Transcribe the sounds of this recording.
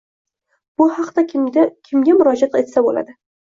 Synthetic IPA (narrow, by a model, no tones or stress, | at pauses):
b̥ʊhɑqt̪akʲʰɪmɡʲamʊɾɒd͡ʒat̪e̞t̪sabola̰d̪ɪ